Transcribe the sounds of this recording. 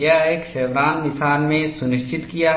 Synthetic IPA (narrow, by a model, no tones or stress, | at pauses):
jaeːkʃɛːwlaːnmɪsaːnmẽsʊnɪʃt͡ʃɪt̪kija